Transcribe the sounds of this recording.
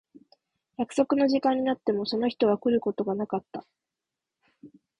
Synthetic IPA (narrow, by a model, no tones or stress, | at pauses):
jakɯ̟̥so̞kɯ̟no̞ʑikãɲ̟ːinat̪ːe̞mo̞so̞no̞çʲi̥t̪o̞βakɯ̟ɾɯ̟ko̞t̪o̞ɡanakat̪ːa